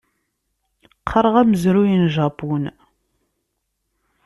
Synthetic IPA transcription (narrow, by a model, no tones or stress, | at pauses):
qʰːəɾˤəʁæməzɾujinʒɑpun